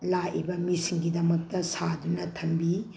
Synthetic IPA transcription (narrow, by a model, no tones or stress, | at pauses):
lajibɐmisiŋɡidɐmɐk̚tɐsadunɐtʰɐmbi